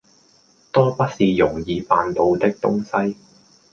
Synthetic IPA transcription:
t̪ɔː˥pɐ˥t̚siː˨jʊ˨˩ŋjiː˧faː˨˧nt̪o˨˧wt̪ɪ˥k̚t̪ʊ̰˥ŋsɐ˥j

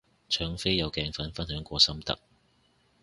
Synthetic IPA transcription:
t͡ʃʰœː˨˧ŋfe˥jɐ˨˧wkɛː˧ŋfɐ˨˥nfɐ˥nɦœː˨˥ŋkʷɔː˧sɐ˥mt̪ɐ̰˨k̚

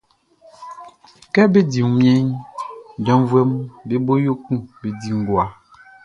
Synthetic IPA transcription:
kɛ˦be˦di˨˦mjɛ˦ɲ | dɔ˨˦n˦vwɛ˦mbe˦bo˦jo˦ku˦˨be˨di˨ŋ˨ɡwa˨˦

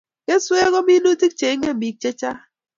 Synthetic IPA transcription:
kɛ˦swe˦ɣɔ˦mi˦du˦ti˦k̚t͡ʃe˨˦ŋɛ˦˨mi˨k̚t͡ʃe˦t͡ʃa˦

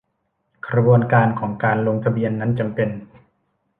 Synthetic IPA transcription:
kʰɾa˧bu˧ənkaː˧nkʰɔː˩˦ŋkaː˧nlo˧ŋt̪ʰa˧bi˧ənːa˦˥nt͡ɕa˧mpe˧n

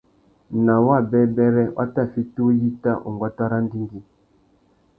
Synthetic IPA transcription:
na˨wa˦˨bɛ˦bɛ˦ɾɛ˦wʔa̰˦ta˦˨fi˦tu˦ji˦ta˦ʔo̰˨ŋɡwa˦ta˦ɾa˦n˦di˦ŋɡi˦

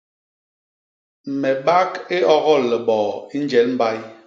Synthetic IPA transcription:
m̩˨mɛ˨ɓa˦ke˦ɔ˦ɣɔ˦˨lːɛ˨ɓɔ˨i˦n˦d͡ʒɛ˨˦lm̩˦ba˦j

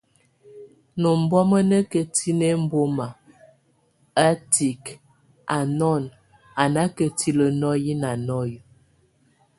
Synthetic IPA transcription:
no˨m˨bɔ˦mə˦nə˦kə˨ti˦ne˦m̩˦bo˦ma˨ | a˦ti˨k | a˨nɔ˦˨n | a˨na˦kə˨ti˦lə˨nɔ˦ji˦na˨nɔ˦j

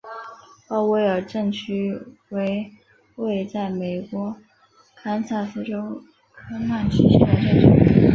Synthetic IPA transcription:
ɑ˥˧ʊwe˥˩ɪə˞˨˩ʈ͡ʂɤ˥˩ŋt͡ɕʰy˥we˧˥ɪ | we˥˧ɪt͡sa˥˩ɪme˨˩ɪkwɔ˧˥ | kʰa˥nsa˥˩sɹ̩˥ʈ͡ʂo˥ʊ | kʰɤ˥na˥˩nt͡ɕʰi˧˥ɕi˥a˥˧ʈ͡ʂə˥˩ʈ͡ʂʰṵ˥

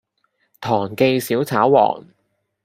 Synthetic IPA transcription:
t̪ʰɔː˨˩ŋke˧jsiː˨˥wt͡sʰaː˨˥wwɔ̰ː˨˩ŋ

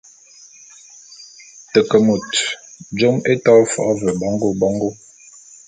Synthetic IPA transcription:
tə˨kə˨mu˨td͡ʒo˦me˦tɔ˦fɔ̰˨ʔvə˨bɔ˦ŋ˦ɡo˦bɔ˦ŋɡo˦

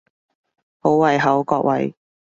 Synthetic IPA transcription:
ho˨˥wwɐ˨˧jɦɐ˨˥wkɔː˧k̚wɐ̰˨˧j

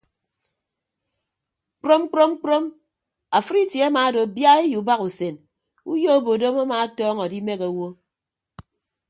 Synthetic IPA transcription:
k͡pɾo˦m˦k͡pɾo˦m˦k͡pɾo˦m | a˨fɨ˦ɾi˦tje˨a˦maː˨˦do˨bja˦e˦ju˨ba˦ku˨se˨n | u˦jo˦o˦˨bo˨do˦ma˦maː˨˦tɔː˦ŋɔ˨di˦me˦ka˨˦wo˦

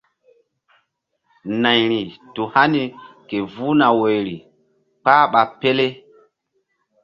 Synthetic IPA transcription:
na˨jɾi˨tu˨ha˦ni˨ke˨vu˦na˨wo˨jɾi˨ | k͡pa˦ɓa˨pe˦le˦

